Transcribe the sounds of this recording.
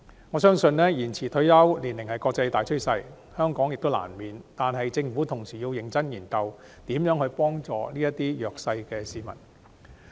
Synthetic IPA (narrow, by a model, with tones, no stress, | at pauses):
ŋɔː˨˧s̬œː˥ŋsɵ˧nnɛː˥jiː˨˩nt͡sʰiː˨˩t̪ʰɵ˧˥ɥjɐ˥wliː˨˩nlɪ˨˩ŋhɐ˨˩jkɔː˧k̚t͡sɐ˧jt̪aː˨jt͡ʃʰɵ˥ɥsɐ˧j | hœː˥ŋkɔː˨˥ŋjɪ˨k̚t̪wla̰ː˨˩nmiː˨nt̪aː˨nɦɐ˨jt͡sɪ˧ŋfu˨˥t̪ʰʊ˨˩ŋsiː˨˩jiː˧wjɪ˨˩ŋt͡sɐ˥njiː˨˩nkɐ˨˧w | t̪iː˨˥mjœː˨˥ŋhɵ˨˧pɔː˥ŋt͡sɔ̰ː˨liː˥jɐ˥t̪iː˥jœː˨k̚sɐ˧jkɛː˧siː˨mɐ˨˩n